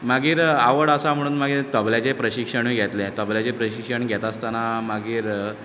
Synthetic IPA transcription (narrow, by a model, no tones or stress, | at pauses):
maɡiːɾaʋəɽəsam̤əɽuːnmaɡiːɾt̪əbljat͡ɕepɾəɕikʂəɳiɡʱɛt̪lɛ̃t̪əbljat͡ɕepɾəɕikʂəɳɡʱɛt̪ast̪anamaɡiːɾ